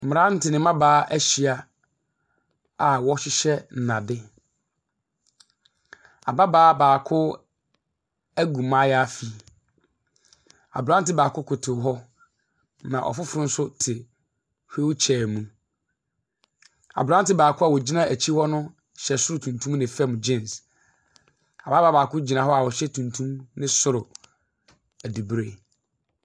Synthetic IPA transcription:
m̩˨m˨ɾã˦n̩˦tʰɪ˨nɪ̃˨mã˦baː˨˦ʔæ˦ɕi˨a˨ | a˨wɔ˦ɕɪ˦ɕɛ˦n̩˨nã˨dɪ˦ | a̰˨ba˦baː˦baː˨kʰʊ˦ | æ˦ɡũ˨mã˦ja˦fi˨ | a̰˨bɾã˦n˦tɪ˦baː˨kʰʊ˦kʰʊ˨tʰɪ˨ɦɔ˦ | nã̰˨ʔɔ̰˨fʊ˦fʊ˨ɾʊ˦n̩˦sʊ˦tʰɪ˨ | he˦wt͡ɕʰɛː˨mũ˦ | a̰˨bɾã˦n˦tɪ˦baː˨kʰʊ˦a˨wɔ˨d͡ʑi˦nã˦˨ʔæ˨t͡ɕʰi˦hɔ˦nʊ̃˦ | ɕɛ˨sʊ˦ɾʊ˨tʰũ˨ntʰũ˦m˦nɪ̃˨fɛ˦m˨d͡ʑɪ̃˦˨ns | a˨baː˦baː˦aː˨kʊ˦d͡ʑi˨nã˨ɦɔ˦a˨wɔ˨ɕɛ˦tʰũ˨ntʰũ˦mnɪ̃˦sʊ˦ɾʊ˨ | æ˨di˨bɾe˦

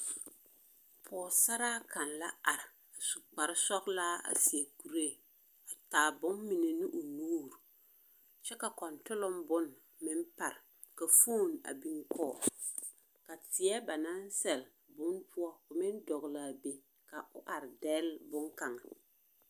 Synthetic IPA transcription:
pʰɔː˨sa˦ɾaː˦kʰa˨nla˦a˨ɾɪ˨ | a˨su˨k͡pa˨ɾɪ˦sɔ˦klaː˦a̰˨si˨e˨ku˨ɾe˦˨ | a˨taː˨bʊ˦mmi˨ne˨nɪ˦ʔʊ˨nuː˦ɾu˨ | t͡ʃɛ˦ka˨kɔ˨ntʊ˦lʊ˦mbʊ˦n | mɪ˦mpa˨ɾ | ka˨foː˦˨na̰˨bi˦ŋkʰɔː˦˨ | ka˨tɪ˨ɛ˦ba˨na˦n˦sɛ˨l | bʊ˦npʰʊ˦ɔ˦ʊ˨mɪ˦ndɔ˨ɣla˨be˨ | ka˨ʔʊ̰˦ʔa˨ɾɪ˨dɛː˦lbʊ˦ŋka˨ŋa˨

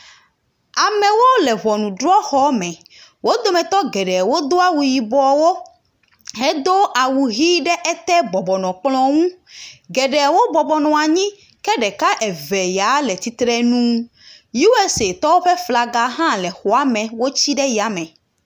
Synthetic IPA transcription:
a˨mɛ̃˨wo˦lɛ˨vɔ˨nũ˨ɖɾɔ˦xɔ˦mɛ̃˨ | wo˦d̪o˦mɛ̃˨t̪ɔ˦ɡɛ˨ɖɛ˨wo˦d̪o˦a˦wu˨ji˨bɔ˨wo˦ | ɦɛ˦d̪o˦ʔa˨wu˨ɦi˦ɖɛ˦ʔɛ˦t̪ɛ˦bɔ˨bɔ˨nɔ̃˨k͡plɔ̃˦ŋũ˦ɡɛ˨ɖɛ˨wo˦bɔ˨bɔ˨nɔ̃˨a˨ɲĩ˦ | kɛ˦ɖɛ˨ka˦ʔɛ˨vɛ˨ja˨˦lɛ˨t̪i˨t̪ɾɛ˦nũ˦ | ji˦wɛ˦se˨t̪ɔ˦wo˦ɸɛ˦fla˨ɡa˨ɦã˦lɛ˨xɔ˨a˨˦mɛ̃˨wo˦t͡ɕi˦ɖɛ˦ji˨a˨mɛ̃˨

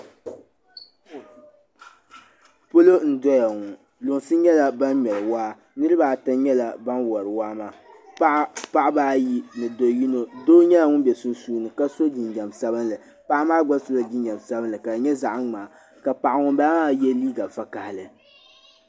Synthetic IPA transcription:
po˦lo˦n̩˨dɔ˦ja˨ŋʊ˨ | lʊ˨ŋ˨sɨ˦ɲɛ˦la˨ba˦nɲɛ˨lɨ˨waː˦ | nɨ˦ɾɨ˦baː˨ta˦ɲɛ˦la˨ba˦nwɔ˨ɾɨ˨waː˦maː˦˨˦ | pa˦ʔa˦baː˦ji˦nɨ˨do˨ji˦no˨doː˦ɲɛ˦ja˨ŋʊ˦bʲɛ˨sʊ˦n˦suː˦nɨ˨ka˦so˦d͡ʒi˨nɲa˨m˨sa˦bɨ˦nlɨ˨ | pa˦ʔa˦maː˦ɡ͡ba˦so˦la˨d͡ʒi˦n˦ɲa˨m˨sa˦bɨ˦nlɨ˨ka˨ɲɛ˦za˨ʔŋ͡maː˨ | ka˨pa˨ʔa˨ŋʊ˦ba˦a˦jɛ˦liː˦ɡa˨fa˦ka˨hɪ˨lɨ˨

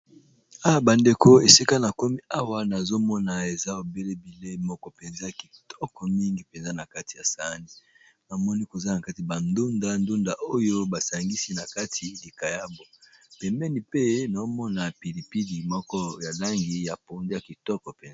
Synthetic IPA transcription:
a˦wa˨ba˨nde˨ko˦e˨si˦ka˦na˨ko˦mi˦a˦wa˦na˨zo˦mɔ˦na˨e˨za˦o˨be˦le˦bi˨le˦mɔ˦kɔ˦pɛ˨nza˦ja˨ki˨tɔ˦kɔ˨mi˦ŋɡi˨pɛ˨nza˦na˨ka˦ti̥˨ja˨sa˨˦ni˦ | na˨mɔ˦ni˦ko˨za˦na˨ka˦ti˨ba˨ndo˦nda˦ndo˦nda˨ʔo˦jo˦ba˨sa˨ŋɡi˦si˦na˨ka˦tʰi˨li˨ka˨ja˦bo˨pɛ˨mbɛ˦ni˨pe˦na˨o˦mɔ˦na˨pi˨li˨pi˦di˨mɔ˦kɔ˦ja˨la˦ŋɡi˦ja˨po˨nde˦ja˨ki˨tɔ˦kɔ˨pɛ˨nza˦

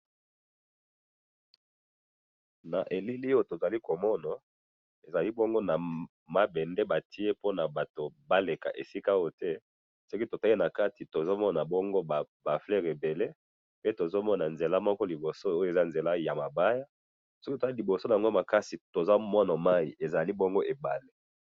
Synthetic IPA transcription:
na˨ʔe˨li˦li˦jo˦to˨za˨li˦ko˨mɔ˦na˨ | e˨za˨li˦bɔ˦ŋɡo˦na˨ | ma˦bɛ˨nde˦ba˨tʰi˦e˦po˦na˨ba˨to˨ba˦le˨ka̰˨ʔḛ˨si˦ka˦o˦tɛ˦ | sɔ˦ki˦to˨ta˦i˦na˨ka˦ti˨to˨zo˦mɔ˦na˨bɔ˦ŋɡo˦a˨ | ba˨flɛ˦ʁe˨be˨le˦ | pe˦to˨zo˦mɔ˦na˨nze˨la˦mɔ˦kɔ˦li˨bo˨so˦o˦jo˦e˨za˦nze˨la˦ja˨ma˨ba˦ja˦ | so˦ki˦to̥˨a˦i˦li˨bo˨so˦na˨a˨ŋɡo˦ma˨ka˦si˨to˨za˦mɔ˦na˨ma˦ḭ˨ʔe˨za˨li˦bɔ˦ŋɡo˦ʔe˨ba˨le˦

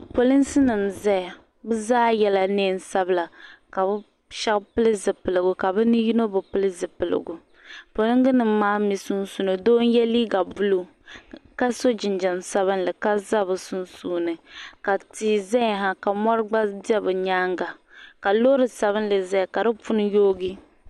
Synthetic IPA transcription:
po˨li˦n˦sɨ˦nɨ˨mza˦ja˨ | bɨ˦zaː˦jɛ˦la˨neː˦˨n̩˨sa˦bɨ˦la˨ka˨bɨ˦ | ʃa˦kpɨ˦lɨ˦zɨ˨pɨ˨lɨ˨ɡu˨ka˨bɨ˦nɨ˦ji˦no˦bɨ˨pɨ˦lɨ˦zɨ˨pɨ˨lɨ̰˨ɡu˨ | po˨lɨ˦ŋɡɨ˦nɨ˨mː˦aː˦mi˨su˦nsu˦no˨doː˦n˦jɛ˦liː˦ɡa˨bu˦lu˦ | ka˦so˦d͡ʒɪ˨nd͡ʒɛ˨nsa˦βɨ˦nlɨ˨ka˦za˦bɨ˨su˦nsuː˦nɨ˨ka˨tiː˨zɛ˦jɦa˦ka˨mɔ˦ɾɨ˦ɡ͡ba˦di˦ɛ˦bɨ˨ɲaː˦ŋɡa˨ka˨lo˦ɾɨ˨sa˨βɨ˦n˦lɨ˨za˦jka˨dɨ˦fu˦nɨ˦joː˦ɡi˦

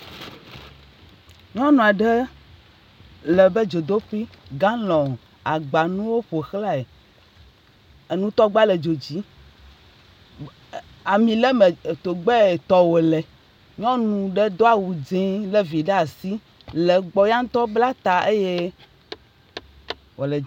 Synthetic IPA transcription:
ɲɔ̃˦nũ˨a˨ɖɛ˦ | lɛ˨bɛ˦d͡ʒo˨d̪o˦ɸi˦ɡã˦lɔ̃˨ | a˨ɡ͡ba˨nũ˦wo˦ɸo˨xla˦e˨ | e˨nũ˦t̪ɔ˦ɡ͡ba˦le˨d͡ʒo˨d͡ʑi˨˦ | a˨mĩ˨lɛ˦me˨t̪o˨ɡ͡bɛ˦˨t̪ɔ˦wo˨lɛ˨ | ɲɔ̃˦nũ˨ɖɛ˦d̪o˦a˨wu˨d͡ʒẽ˦lɛ˦vi˨ɖɛ˦a˨si˦ | lɛ˨ɡ͡bɔ˦ja˦ŋ˦t̪ɔ˦bla˦t̪a˨e˦je˦ | wo˨le˨

